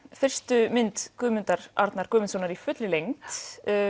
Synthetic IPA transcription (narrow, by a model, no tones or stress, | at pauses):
fɪr̥st̪ʏmɪnt̪kʏːmʏnt̪aɾ̥aɾt̪naɾkʏːmʏnsownaɾifʏt̪lɪlejŋt̪